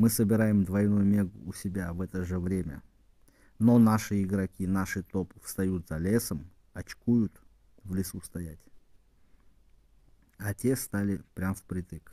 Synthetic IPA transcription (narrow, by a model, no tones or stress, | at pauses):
mɨsəbʲɪɾajɪmd̪vɐjnujʊmʲe̞ɡʊ̰ːsʲɪbʲavɛt̪əʐɨvɾʲemʲə̰ | nonaʂɨɪɡɾɐkʲinaʂɨt̪opɨfst̪ɐjut̪z̥ɐlʲe̞səm | ɐt͡ɕkujʊt̪ | vlʲɪsust̪ɐjætʲ | atʲe̞st̪alʲɪpɾʲamfpɾʲɪt̪ɨk